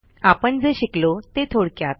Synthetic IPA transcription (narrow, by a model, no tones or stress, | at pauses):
apəɳd͡zeɕiklot̪et̪ʰoɽkjat̪̚